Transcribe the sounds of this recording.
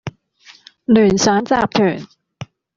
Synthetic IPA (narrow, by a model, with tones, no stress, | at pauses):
lyː˨˩nsaː˨˥nt͡saː˧˨p̚t̪ʰyː˨˩ŋ